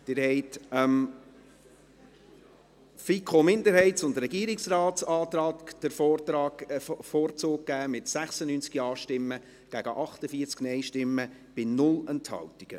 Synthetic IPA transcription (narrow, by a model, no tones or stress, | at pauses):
d̥ɪɾhɛɪtɛm | fikʰomɪndəɾɦɛɪtsʊndɾɛɡiːɾɪksɾɑːtt͡sɑːt̪ɾɑːtd̥əɾfoːtɾɑːfoːɾt͡soːk̚kːæːmɪtsæχsənyːnt͡skiɑːʃtɪmːə | ɡ̥æɡ̥əʔɑχtəfiəɾt͡sknɛɪʃtɪmːəb̥ɪnʊlɛnthɑ̰wtiɡ̥ə